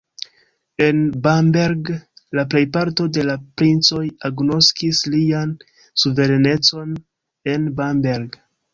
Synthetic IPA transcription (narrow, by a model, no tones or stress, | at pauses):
e̞nbambeɾɡlaple̞jpaɾto̞de̞lapɾint͡so̞jaɡno̞skislian | suve̞ɾene̞t͡so̞n | e̞nbambeɾɡ